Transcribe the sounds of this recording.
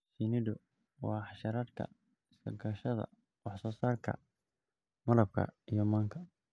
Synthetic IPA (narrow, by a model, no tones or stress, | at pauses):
sinɪdʊ | wɑːħɑʃɐɾad̪kʰɐ̰ | ɪsɐɡɐʃɐðɐ̰ | wɑħsɔːsaːrkʰɐ̰ | mɐlɐb̚kʰɐ̰ijɔmaːŋkʰɐ